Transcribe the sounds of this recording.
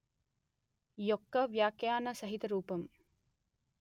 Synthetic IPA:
jokːɐʋjaːkejaːnɐsɐɦit̪ɐɾuːpɐm

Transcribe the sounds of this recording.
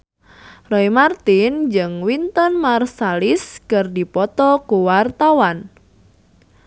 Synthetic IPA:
rɔimart̪ind͡ʒɨŋwint̪ənmarsalɪskɨrdipɔt̪ɔkuwart̪awan

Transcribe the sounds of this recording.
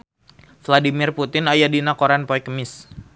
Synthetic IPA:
fladimɪrput̪ɪnajadinakoɾanpɔjkəmɪs

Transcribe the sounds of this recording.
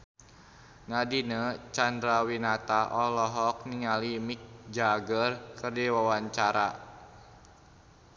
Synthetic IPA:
nadinət͡ʃandɾawinat̪aʔɔlɔɦɔk̚niŋalimik̚d͡ʒaɡərkɨrdiwawaɲt͡ʃaɾa̰

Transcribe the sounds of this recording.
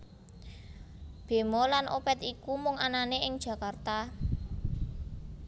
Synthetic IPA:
b̥e̤mɔlanʔo̰pɛt̪ikumʊŋananeʔɪŋd̥ʒ̥ä̤kart̪a

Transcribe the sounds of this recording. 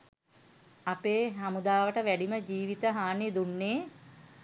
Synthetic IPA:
apeːɦamud̪aːʋəʈəʋæɖiməd͡ʒiːʋit̪əɦaːned̪unːeː

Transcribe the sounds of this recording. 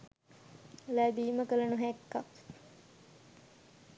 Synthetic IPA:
læbiːməkəlɐnuɦækːak

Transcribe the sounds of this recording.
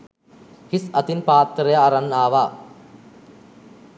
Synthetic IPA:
hisɐt̪inpaːt̪ːɾejaːɾanːaːʋaː

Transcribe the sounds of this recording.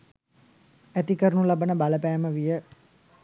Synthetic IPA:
æt̪ikəɾənulabənəbaləpæːməʋijə

